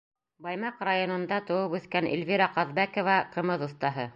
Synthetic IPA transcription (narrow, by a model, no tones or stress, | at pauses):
bɑjmɑqrajonŏnd̪ɑt̪ŏwɤpʉθkænʔḭlvʲiɾɑqɑðbækŏvɑqɤ̆mɤðŏθt̪ɑɦɤ